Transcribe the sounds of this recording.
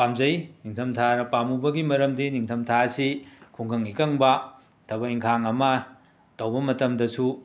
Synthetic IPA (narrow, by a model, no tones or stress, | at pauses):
pamzɐjniŋtʰɐmtʰaɾɐpamubɐɡimɐɾɐmdiniŋtʰɐmtʰaɐsikʰuŋɡɐŋikɐŋbɐ | tʰɐbɐiŋkʰaŋɐmɐ | tɐwbɐmɐtɐmdɐsu